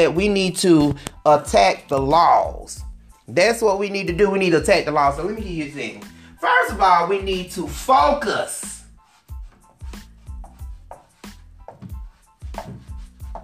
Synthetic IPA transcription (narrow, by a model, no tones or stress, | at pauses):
ɨt̚winid̚tʰəətʰæk̚ðəlɔz̥ | ðætswʌt̚winid̚tɨdɨwinid̚tɨətʰæk̚ðəlɔz̥owiθɪ̃kɨjɨθɪ̃ | fɜ˞stʌvɔlˠwinid̚tʰəfoʊkəs